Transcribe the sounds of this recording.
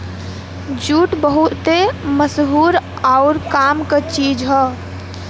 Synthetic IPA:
d͡ʒuːʈbəɦut̪eməsɦuɾ | aʊɾkaːmkət͡ʃiːd͡ʒɦɛ

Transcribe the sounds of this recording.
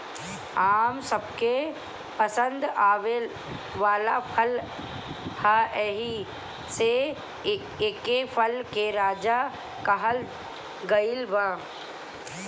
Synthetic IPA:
aːmsəb̚ke | pəsə̃nd̪aːʋel | ʋaːlapʰəl | haʔɛɦi | se | eːkepʰəlkeɾaːd͡ʒa | kəɦəl | ɡəɪlbãː

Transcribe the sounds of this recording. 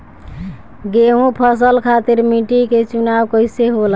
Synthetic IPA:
ɡeɦũpʰəs̬əlkʰat̪iɾmiʈiket͡ʃunawkəjseɦol

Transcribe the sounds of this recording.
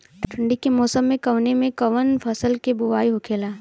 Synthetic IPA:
ʈʰʈʰə̃ɳɖikemɔːsəmːẽkɐʋnemẽkɐʋənfʰɐsəlkebʊʋaːiɦʊkʰeːlaː

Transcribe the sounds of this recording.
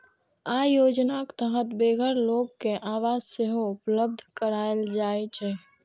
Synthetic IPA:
ajod͡ʒnakt̪əɦət̪beɡʱəɾloɡkeʔaʋad͡ʒseɦoupləb̚d̪ʱkəɾaeld͡ʒaɛt͡ʃʰɛ

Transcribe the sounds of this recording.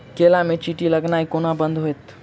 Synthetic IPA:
kelamẽt͡ʃiːʈiləɡnaːikonabənd̪ɦoet̪

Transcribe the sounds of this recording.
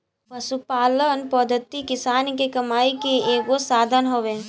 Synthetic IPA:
pəsupaːlənpɔd̪ʱət̪ːikɪsaːnkekəmaːikeeːɡosaːd̪ʱənɦoʋe

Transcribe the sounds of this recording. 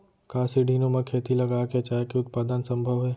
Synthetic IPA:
kaːsiɖʱiːnõmẽkʰeːt̪ilɐɡaːket͡ʃaːekeʊt̪̚paːd̪ənsɐ̃mbʱəʋɦɛː

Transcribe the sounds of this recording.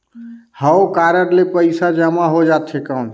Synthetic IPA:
həokaɾəʈlepəɪsad͡ʒəmaɦod͡ʒat̪ʰekən

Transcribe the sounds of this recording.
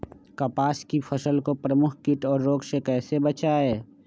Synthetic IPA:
kɐpaːskifʰəsəlkopɾəmʊkʰkɪʈɔːɾːoːksekɛːsebɐt͡ʃaɦɛː

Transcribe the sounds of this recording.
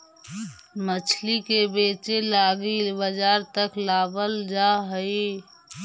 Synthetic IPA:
mət͡ʃʰlikebeːt͡ʃelaːɡibəd͡ʒaːɾt̪əklaːbəld͡ʒaɦəi

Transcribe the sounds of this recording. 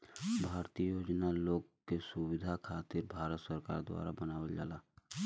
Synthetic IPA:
bʱaːɾt̪ijəjoːd͡ʒnaloːɡkesʊwɪd̪ʱakʰaːt̪ɪɾbʱaːɾət̪səɾka̰ːɾd̪wa̰ːɾa̰bənaːʋəld͡ʒa̰ːlaː

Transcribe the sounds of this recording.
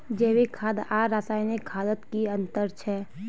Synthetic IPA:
d͡ʒeːwikʰaːd̪aːɾasaːjnikʰaːd̪ət̪kiə̃nt̪əɾt͡ʃʰɛ

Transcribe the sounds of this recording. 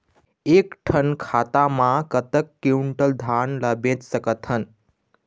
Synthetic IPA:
ekʈʰənkʰat̪amãkət̪əkːiuɳʈəld̪ʱanləbẽtsəkət̪ɦən

